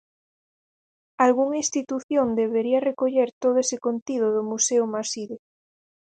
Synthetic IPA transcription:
alɣuŋinst̪it̪uθjõnd̪eβeɾiarekoʎeɾt̪oðoesekont̪iðoðomuseomasiðo

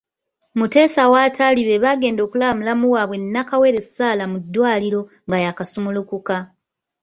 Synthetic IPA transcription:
mute̞ːsawaːtʰaliβe̞βaɡe̞ːndo̞ːkulamulamuwaːβwe̞nːakawe̞ːɾe̞saːlamudːwaːliɾo̞ | ŋɡajakasumulokuka

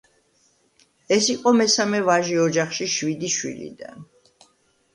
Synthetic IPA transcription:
ɛsiqʼɔmɛsamɛvaʒiɔd͡ʒaχʃiʃvid̪iʃwḭlḭd̪a̰n

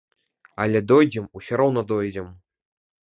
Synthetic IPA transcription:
alʲɛd̪ɔjd͡zʲɛmusʲɛɾɔwnɐd̪ɔjd͡zʲɛm

